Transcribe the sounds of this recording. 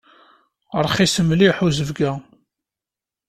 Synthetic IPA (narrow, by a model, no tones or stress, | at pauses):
əɾˤχisəmliħuzəvɡæ